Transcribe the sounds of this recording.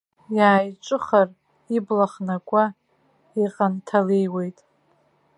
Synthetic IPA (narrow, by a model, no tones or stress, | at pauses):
jaːjʈ͡ʂʼɨχar | iblaχnakʷʼa | iqʼantʰalejwe̞jtʼ